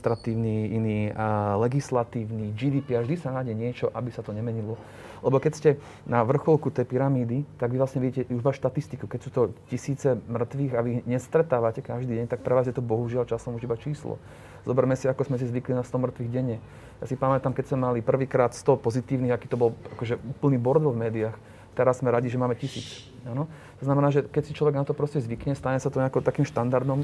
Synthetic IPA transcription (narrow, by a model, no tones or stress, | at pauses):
st̪ɾat̪iːʊniinilɛɡislat̪iːʊnid͡ʒid̪iːpiaʒd̪isanaɟɛɲɪɛt͡ʃɔʔabisat̪ɔɲɛmɛɲilɔ | lɛbɔkɛcscɛ | naʋr̩xɔlˠkut̪ɛjpiɾamiːd̪it̪aɡʋiʋlasɲɛʋiɟiːcɛuʒʋaʃt̪at̪ist̪ikukɛcsuːt̪ɔcisiːt͡sɛmr̩t̪ʋiːɣaʋiɣɲɛst̪ɾɛt̪aːʋacɛkaʒd̪iːɟɛɲt̪ak̚pɾɛʋaːzjɛt̪ɔbɔɦuʒɪalt͡ʃasɔmuʒibat͡ʃiːslɔ̰ | zɔbɛɾmɛsiakɔzmɛs̬izʋiklinast̪ɔmr̩t̪ʋiːɣɟɛɲɛ | jaːsipamɛt̪amkɛcsmɛmalipr̩ʋiːkɾaːt̪st̪ɔpɔzit̪iːʊniɣakiːt̪ɔbɔlakɔʒɛʔuːpl̩niːbɔɾd̪ʋɔvmɛːd̪iax | t̪ɛɾazzmɛɾaɟiʒɛmaːmɛcisḭːt͡s | anɔ | t̪ɔznamɛnaːʒɛkɛcsit͡ʃlɔʋɛɡnat̪ɔpɾɔscɛzʋikɲɛst̪aɲɛsat̪ɔɲɛakɔt̪akiːmʃt̪and̪aɾd̪ɔm